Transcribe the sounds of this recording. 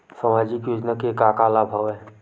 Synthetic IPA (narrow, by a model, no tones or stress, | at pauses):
səmaːd͡ʒikjʊd͡ʒnəkekaːkaːlabʱaʋɛː